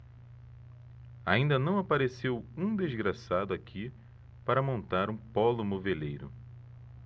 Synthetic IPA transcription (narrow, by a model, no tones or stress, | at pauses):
aĩnd̪ɐnɐ̃w̃apaɾesewũd̪ezɡɾasad̪ʊakʰi | paɾɐmõnt̪aɾũpɔlʊmovelejɾʊ̰